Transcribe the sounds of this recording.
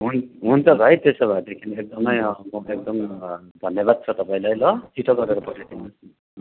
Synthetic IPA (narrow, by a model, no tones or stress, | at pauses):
ɦunɦunt͡sʰʌɡʱʌjt̪esʌbʱad̪ekʰiniek̚d̪ʌmʌjmoek̚d̪ʌm | d̪ʱʌnːeβad̪̚t͡sʰʌt̪ʌpaĩlajlʌt͡sʰiʈʰʌɡʌɾeɾʌpʌʈʰajt̪ʰinʌs